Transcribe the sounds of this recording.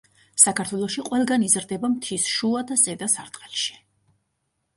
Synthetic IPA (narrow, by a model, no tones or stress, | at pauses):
sakʰaɾt̪ʰwɛlˠɔʃiqʼwɛlˠɡanizɾd̪ɛbamt̪ʰisʃuad̪azʼɛd̪asaɾt̪ʼqʼɛlˠʃi̥